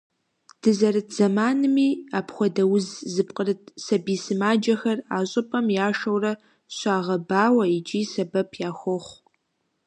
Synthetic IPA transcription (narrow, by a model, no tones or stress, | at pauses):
d̥ɨzɐɾɨtʰz̥ɐmaːnɨmiːaːpxʷɔdɐwʊzzɨpqʼərɨt̚ʰsɐbiːsɨmaːd͡ʒɐxɐraːɕʼɪpʼɐmjaːʂɐwrɐ | ɕʷʼaːʁɐbaːwɐid͡ʒʼiːsɐbɐpʰjaːxʷɔχʷ